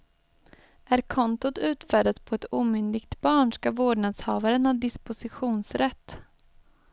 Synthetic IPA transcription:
ʔæɾkʰɔnt̪ʊt̪ʉ̟ːt̪fæːɖat̪pʰɔɛt̪uːmʏnd̪ɪɡt̪bɑːɳʂkavoːɖɳad̪shɑːvaɾənhaɖɪspʊsɪɧuːnsɾɛt̪ː

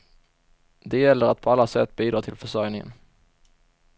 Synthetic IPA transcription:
d̪ɛjɛlːəɾat̪̚pʰɔalːasɛt̪ːbiːd̪ɾɑːt̪ʰɪlfœʂœɾjnɪŋə̰n

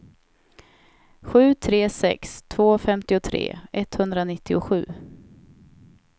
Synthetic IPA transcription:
ɧʉ̟ːt̪ʰɾeːsɛ̰kst̪ʰvoːfɛmt̪ɪʊt̪ʰɾḛːɛt̪ːhɵnd̪ɾanɪt̪ʰːɪʊɧʉ̟ː

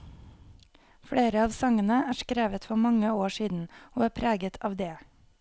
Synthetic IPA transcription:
fɽeːɾəɑːʋsɑŋənəæːʃkɾeːʋət̪fɔɾmɑŋəoːʃiːd̪n̩oːæːpʰɾæːɡət̪ʰɑːʋd̪eː

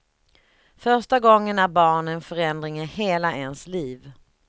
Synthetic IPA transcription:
fœɾʂʈaɡɔŋːənæɾbɑːɳɛnfœɾɛnd̪ɾɪŋɪheːlaʔɛnsliːv

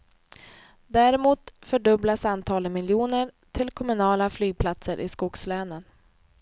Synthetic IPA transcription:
d̪æɾɪmuːt̪fœɖɵblasant̪ʰɑːləmɪljuːnəɾ | ʈʰɪlkʰɔmɵnɑːlaflyːɡ̚pʰlat̪səɾʔɪ̰skʊkslɛːnən

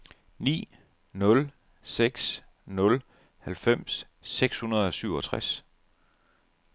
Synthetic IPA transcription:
nḭː | nɔ̽l | seɡ̥s | nɔ̽l | hælfem̰sː | eɡ̥shunɐð̞̩ˠɒ̽syʊɒ̽t͡sʰʁas

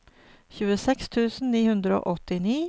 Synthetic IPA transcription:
çʉːəsɛkst̪ʰʉːsn̩niːhʉnd̪ɾəo̰ːʔɔt̪ɪniː

